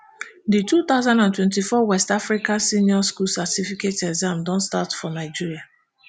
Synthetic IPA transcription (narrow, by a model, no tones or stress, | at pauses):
ditut̪aʊzãndãntwɛ̃ntifɔwɛstafɾikãsĩnjɔskulsatifiketɛzãmdɔ̃nstatfɔnaɪd͡ʒiɹia